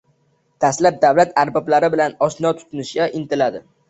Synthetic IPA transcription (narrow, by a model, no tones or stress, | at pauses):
d̪̥aslap̚d̪awlat̪ʰaɾbɒblaɾɪbɪlanɒsnɒt̪ʰʊ̥t̪ʰʊnɪʃɡʲaʔɪnt̪ɪlad̪ɪ